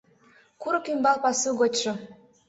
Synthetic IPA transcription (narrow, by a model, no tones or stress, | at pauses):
kuɾkymbɑlˠpɑsuɣot͡ɕʃŏ